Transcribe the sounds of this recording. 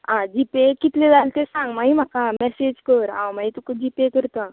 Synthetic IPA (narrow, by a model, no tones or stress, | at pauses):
ãd͡ʑipekit̪lẽd͡zalt̪esãŋɡmajm̤akamɛsed͡ʑkəɾã̰wmajt̪ukəd͡ʑipekəɾt̪a